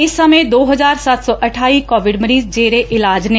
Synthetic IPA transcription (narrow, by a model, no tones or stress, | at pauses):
ɪsːəmẽːd̪oːɦəzaːɾsət̪sɔːʔəʈʰaːiːkɔːʋɪɖməɾiːzd͡ʒeːɾeːʔɪlaːd͡ʒne